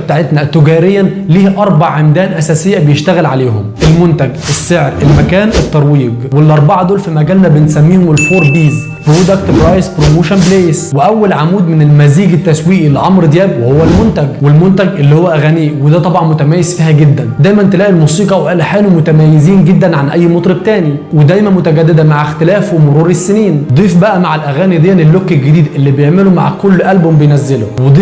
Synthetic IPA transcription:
bt̪aʕet̪næt̪eɡæːɾejːænliːhʔɑɾˤbɑʕʕemd̪æːnʔæsæːsejːæbejeʃt̪æɣeælʕaleːhomʔelmont̪æɡʔesːeʕɾʔelmækæːnʔet̪ːɑɾˤwiːɡwelʔɑɾˤbɑʕɑd̪oːlfimæɡæːlnæbensæmːiːhomelfoːɾˤbiːz | pɾoːd̪akt̪bɾɑjspɾomoːʃænbleːsweʔæwːælʕamuːd̪menelmæziːɡet̪ːæswiːʔilːiʕɑmɾd̪jæːbwehowːælmont̪æɡwelmont̪æɡʔelːiːhowːæʔæɣæːniːwed̪æːt̪ˤɑbʕɑnmʊt̪æmæːjez̥fiːhæɡed̪ːænd̪æːjmænt̪elæːʔilmuːsiːqɑwʔæːlħeːnumʊt̪æmæːjːeziːnɡed̪ːænʕanʔæjːmot̪ˤɾeb̚t̪æːni | wed̪æjmænmʊt̪æɡæd̪ːed̪æmaʕext̪elæːfwemoɾuːɾesːeniːnd̪ˤiːfbæʔæmaʕalʔæɣæːnid̪ejːænelːokːelɡɪd̪iːd̪ʔelːiːbejeʕmeloma̰ʕkolːʔælbombejnæzːelʊwed̪ˤiː

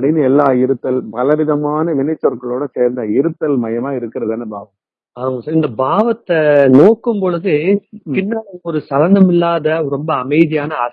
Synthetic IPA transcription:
ɐpɽɪnd̪ɯɛlːaːɪɾɯt̪ːɐlpɐlɐʋɪðɐmaːnɐʋɪnɐt͡ʃːɐɾkɐɭoːɽɐseːɾnd̪ɐɪɾɯt̪ːɐlmɐjɐmaːɪɾɯkːɪɾɐðɛːnːɐbaːʋɐm | aːmɐsaːɾɪnd̪ɐbaːʋɐt̪ːɐnoːkːɯmpɔɻɯðɯpɪnːɐɔɾɯsɐlɐnd̪ɐmɪlːaːðɐɾɔmbɐːmɐɪðɪjaːnɐɐ

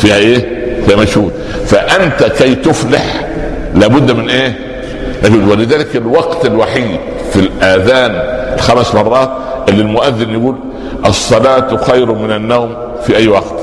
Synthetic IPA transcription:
fiːhæʔeːfiːhæmæʃhuːd̪ | faʔant̪akajt̪ʊflaħ | laːbʊd̪ːmɪnʔeː | mæʃhuːd̪wɪlɪðæːlɪkɪlwɑɡt̪ɪlwaħid̪ | filʔæðaːnɪlxæmsmɑrˤːɑːt̪̚ | ʔɪlːilmʊʔaðːɪnjaɡuːl | ʔɑsˤːɑlaːt̪xajɾʊmɪnanːawm | fiʔajːwɑqt̪

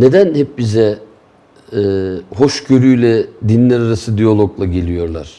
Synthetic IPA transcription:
ne̞d̪ænhɛp̚bizɛ | ɛːho̞ʃɟø̞ɾyjlʲɛd̪inlʲæɾaɾasɯd̪ijolˠoɡlˠaɟe̞lʲijo̞ɾlˠa̰ɾ̥

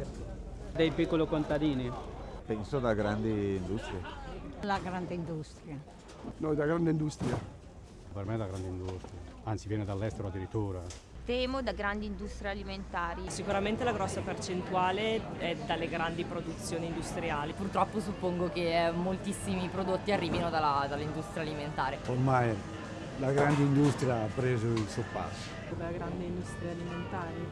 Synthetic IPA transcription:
d̪ejpikːolokont̪ad̪iːnipɛnsod̪aɡɾand̪iːnd̪ust̪ɾjelaɡɾand̪eind̪ust̪ɾja | nɔd̪aɡɾand̪eind̪ust̪ɾja | permed̪aɡɾand̪eind̪ust̪ɾijaant̪sivjɛːned̪alːɛst̪eɾoad̪ːiɾit̪ːuːɾa | t̪ɛːmod̪aɡɾand̪iːnd̪ust̪ɾijaliment̪aːɾisikuɾament̪elaɡɾɔsːapert͡ʃent̪uaːleɛd̪alːeɡɾand̪ipɾod̪ut̪sjoːnind̪ust̪ɾiaːlipurt̪ɾɔpːosupːoŋɡokemːolt̪isːimipɾod̪ot̪ːiarːiːvinod̪alad̪alːind̪ust̪ɾjaliment̪aːɾeomaj | d̪aɡɾand̪ind̪ust̪ɾjaapːɾeːzʊilsopːa̰sːo̥ | d̪alaɡɾand̪ind̪ust̪ɾiaaliment̪aːɾi

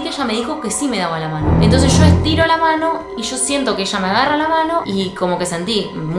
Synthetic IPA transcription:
keeʃame̞ðixo̞ke̞sime̞ðaβalamãnoḛ̃nt̪o̞nsesʒ̥o̞est̪iɾolamano̞ | iʒ̥o̞sje̞nt̪o̞keeʃameaɣaralamano̞iko̞mo̞ke̞se̞nt̪i | m

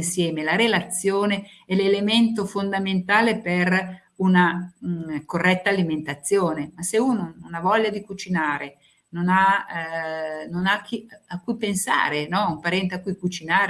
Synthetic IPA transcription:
nsjɛːmelaɾelat̪sːjoːne | ɛlelement̪ofond̪ament̪aːleper | una | korːɛt̪ːaːliment̪at̪sːjoːnemaseuːnononavɔʎːad̪ikut͡ʃinaːɾe | nona | nonakːiakːujpensa̰ːɾenɔumpaɾɛnt̪eakːujkut͡ʃinaːɾ

